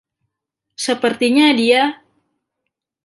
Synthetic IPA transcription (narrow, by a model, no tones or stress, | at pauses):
səpərt̪iɲadia